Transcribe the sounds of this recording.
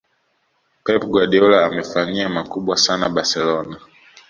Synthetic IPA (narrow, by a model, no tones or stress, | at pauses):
pɛpɡwaɗiɔlaːmɛfaɲiamakuɓwasana̰ɓaɾsɛlɔna